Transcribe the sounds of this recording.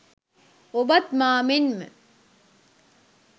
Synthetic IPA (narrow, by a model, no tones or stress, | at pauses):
obɐt̪maːmenmə̰